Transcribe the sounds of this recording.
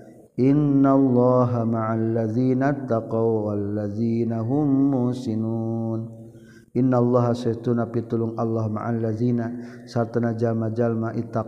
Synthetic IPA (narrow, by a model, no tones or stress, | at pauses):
ʔɪnːalːɑːɦamaʕalːaðiːnat̪ːaqawalːaðiːnaɦʊmːʊsinuːn | ʔɪnːalːɑɦasat̪unapit̪ulʊŋʔalːɑhma̰ʕalːaðinasart̪anad͡ʒalmad͡ʒalmaʔit̪ːa